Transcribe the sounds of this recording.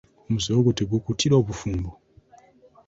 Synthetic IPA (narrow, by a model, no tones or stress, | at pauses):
muziwɔkutiɡukutʰiɗaβufumbɔ